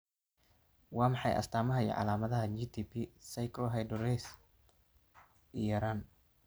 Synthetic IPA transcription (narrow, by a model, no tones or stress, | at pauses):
wɑːmɑħɑ̰jʔɐ̰st̪ʰaːmɐɦɐjɔ̰ʕɑ̰laːmɐðɐɦɐt͡ʃit̪ʰipʰisɛjkʰɔːɦɛjɖɔɾɛjs | ijɐɾaːn